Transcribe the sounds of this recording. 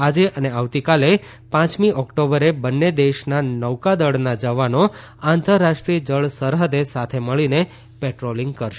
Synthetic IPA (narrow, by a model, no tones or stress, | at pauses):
ad͡ʒeʔəneaʋt̪ikale | pãt͡ʃmiʔɔkʈobəɾebənːed̪eʃnanəwkad̪əɽnad͡ʒəʋano | ãnt̪əɾːaʃʈɾiəd͡ʒəɭsəɾɦəd̪esat̪ʰeməɭine | peʈɾolɪ̃ŋɡ̚kəɾʃe